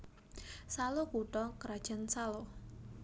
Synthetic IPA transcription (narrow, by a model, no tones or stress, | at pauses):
salohkuʈɔkɾad̥ʒ̥ansalɔ